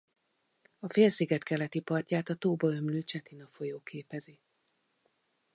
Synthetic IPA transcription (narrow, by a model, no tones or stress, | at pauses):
ɒfeːlsiːɡɛt̪kɛlɛt̪ipɒrcaːt̪ɒt̪oːbɒømløːt͡ʃɛt̪inɒfo̞joːkʰeːpɛzi